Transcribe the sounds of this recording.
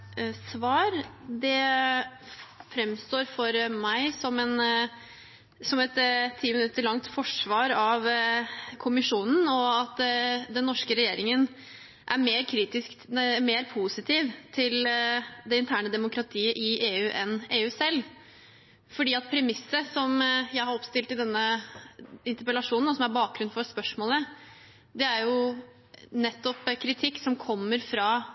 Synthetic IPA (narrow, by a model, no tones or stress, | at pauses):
sʋɑːɾd̪ɛ | fɾɛmst̪oːɾfɔɾmæɪsɔmɛn | sɔmɛt̪t̪ʰːiːmɪnʉt̪ːəɾɭɑŋt̪fɔʂʋɑːɾɑʋ | kʰʊmɪʂuːnn̩ɔɑt̪d̪ɛnːɔʂkəɾɛjeːɾɪŋən | ʔæɾmeːɾkʰɾiːt̪ɪskmeːɾpʰuːsɪt̪ʰiːʋt̪ʰɪld̪ɛɪnt̪ʰæːɳəd̪ɛmʊkɾɑt̪ʰiːəʔɪːʔeːʉːʔɛneːʉːsɛlː | fɔɖiːɑt̪̚pʰɾɛmɪsːəsɔmjæɪhɑɾɔpst̪ɪlt̪ɪd̪ɛnːə | ɪnt̪əɾpəlɑʂuːnn̩ɔsɔmæɾbɑːk̚ɡɾʉnfɔspœʂmoːlə | d̪ɛæɾjʊ | nɛt̪ːɔpkʰɾɪt̪ʰɪkːsɔmkʰɔmːəɾfɾɑ